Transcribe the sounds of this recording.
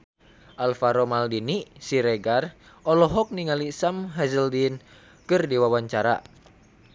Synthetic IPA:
ʔalfaɾɔmaldinisiɾɛɡar | ɔlɔɦɔk̚niŋalisamɦɛzəldin | kɨrdiwawaɲt͡ʃaɾa̰

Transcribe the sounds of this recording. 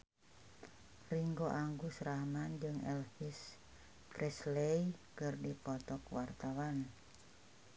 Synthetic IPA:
riŋɡoʔaŋɡusɾamand͡ʒɨŋɛlhis | prɛslejkərdipɔt̪ɔkwart̪awan

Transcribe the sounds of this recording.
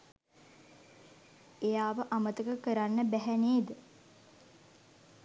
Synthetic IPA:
ejaːʋəʔamət̪əkəkəɾanːəbæɦæneːd̪ə

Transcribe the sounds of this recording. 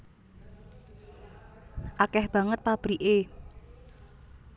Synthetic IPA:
ʔakɛhb̥ä̤ŋət̪̚pab̥ɾiʔe

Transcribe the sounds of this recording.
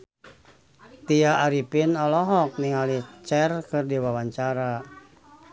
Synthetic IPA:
t̪iaʔːɾipinɔlɔɦɔk̚niŋalit͡ʃɛrkɨrdiwawaɲt͡ʃaɾa

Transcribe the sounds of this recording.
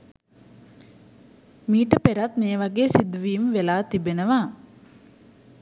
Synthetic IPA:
miːʈəpeɾat̪meːʋaɡeːsid̪uʋiːmʋelaːt̪ibenəʋaː

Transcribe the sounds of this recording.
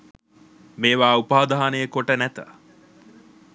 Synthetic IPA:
meːʋaːupaːd̪aɦanəjəkoʈənæt̪ə̰

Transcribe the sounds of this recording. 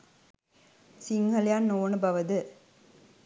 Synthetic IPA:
siŋɡɐljaːnnoːnɯbɐʋɐd̪ɯ

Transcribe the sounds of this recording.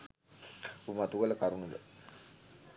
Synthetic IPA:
umat̪uɡələkaɾunud̪ə

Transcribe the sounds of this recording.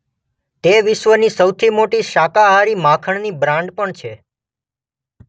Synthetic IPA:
t̪eʋɪʃʋənisəwt̪ʰimoʈiʃakaɦaɾimãkʰəɳnibɾãɳɖpəɳt͡ʃʰe

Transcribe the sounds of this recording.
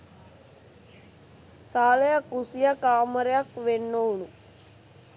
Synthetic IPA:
saːlejakusijakaːməɾjakʋenːowɳu

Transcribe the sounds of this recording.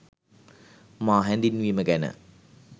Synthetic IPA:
maːɦɛnd̪inʋiːməkænə̰

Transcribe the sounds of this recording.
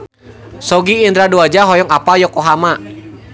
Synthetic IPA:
sɔɡiːnd̪ɾaduad͡ʒaɦɔjɔŋapajɔkɔɦama

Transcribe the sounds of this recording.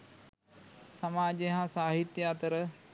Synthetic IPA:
sɐmaːd͡ʒeɦãsaːɦit̪jaːt̪əɾə

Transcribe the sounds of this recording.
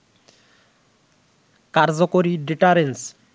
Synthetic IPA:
kaɾd͡ʑokoɾiɖiʈaɾens

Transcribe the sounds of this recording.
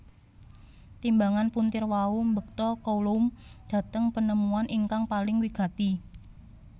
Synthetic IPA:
t̪imbaŋanpunt̪ɪrwaumbək̚t̪ɔkoulomd̥ä̤t̪əŋpənəmuanʔiŋkaŋpalɪŋwiɡ̥a̤t̪i

